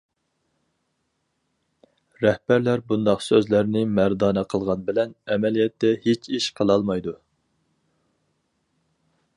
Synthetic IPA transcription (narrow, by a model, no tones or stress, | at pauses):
ɾɛhbæɾlæɾbund̪ɑqsøzlæɾnɪmæɾd̪ɑːnɛqʰəlˠʁɑnbɪlɛnɛmɛlijɛt̪ːɛhet͡ʃʰiʃqʰəlˠɑlˠmɑjd̪u